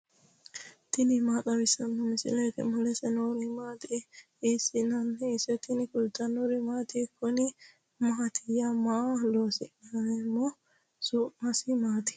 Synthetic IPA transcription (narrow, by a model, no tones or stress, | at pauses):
t̪ɪnɪmaːt̪ʼɐwɪsɐnːɔmɪsɪ̰lɛt̪ɛ̰mɐlɛsɛnoɾimaːt̪i | ɪsɪnɐnːɛɪsɛt̪ɪnɪkʊlt̪ɐnoɾɪmaːt̪ikːɔnɪ | mat̪ʰɪjamaːloːsɪ̰nɐɛmːɔ | sʊmɐsɪmaːt̪ɪ̥